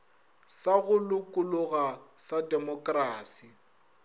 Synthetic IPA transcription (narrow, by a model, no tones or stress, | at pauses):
saɣʊlʊkʼʊlʊɣasadɛmɔkʼraːsi